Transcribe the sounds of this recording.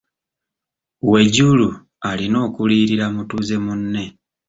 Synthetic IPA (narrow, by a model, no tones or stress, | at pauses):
we̞ɟulu | alino̞ːkuliːɾiɾamutuze̞munːe̞